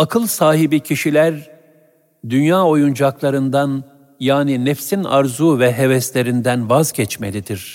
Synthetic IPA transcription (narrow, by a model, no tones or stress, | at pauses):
akʰɯlˠsaːɦibicʰiʃilʲæɾ | d̪ynjaːo̞jund͡ʒaklˠaɾɯnd̪an | jaːninɛfsina̰ɾzuːvɛɦevɛst̪lʲe̞ɾind̪ænvazɟɛt͡ʃme̞̰lʲid̪iɾ̥